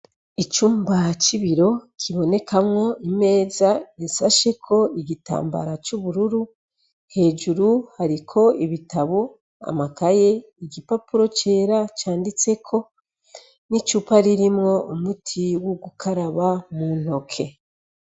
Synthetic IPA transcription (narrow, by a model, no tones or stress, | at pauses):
it͡ʃuːmbat͡ʃiβiɾo̞kʰiβo̞ne̞kamŋo̞ime̞ːzaisaʃe̞kʰo̞iɟita̰ːmba̰ɾat͡ʃuβuɾuɾu | he̞ːd͡ʒuɾuhaɾikʰo̞iβitaβo | a̰makaje̞ | iɟipapuɾo̞t͡ʃe̞ːɾat͡ʃaːndit͡se̞kʰo̞ | nit͡ʃupaɾiɾimŋo̞ʔumutʰiwoɡukʰaɾaβamun̥ho̞kʰe̞